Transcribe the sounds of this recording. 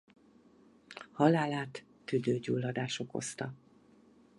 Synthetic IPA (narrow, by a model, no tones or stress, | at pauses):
hɒlaːlaːt̪ː | yd̪øːɟuːlːɒd̪aːʃoko̞̰st̪ɒ